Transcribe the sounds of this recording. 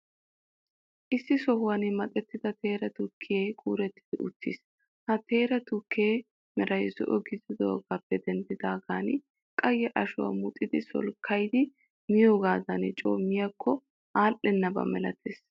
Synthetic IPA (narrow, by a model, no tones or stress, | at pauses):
ʔɪsːɪsɔhʊwɐnɪmɐt̪ʼɛt̪ːɪd̪ɐt̪ʰe̞ːɾɐt̪ʊkʰːɪjɐjkʼuːɾɛt̪ːɪ̥d̪̥ɪʔʊt̪ʰːḭs | hɐt̪e̞ːɾɐt̪ʊkːɪjɛj | mɛɾɐjzɔ̰ʔɔɡɪzɪd̪o̰ːɡaːpːɛd̪ɛnd̪ɪd̪aːɡaːn | kʼɐjːɛʔɐʃʊwɐ̰mʊt̪ʼːɪd̪ɪsɔ̰lkʰːɐjd̪ɪ | mɪjo̞ːɡaːd̪ɐnɪt͡ʃʼo̰ːmːɪjɐkʰːɔ | ʔaːʔɛnːɐbɐ̰mɛlɐt̪ʰeːs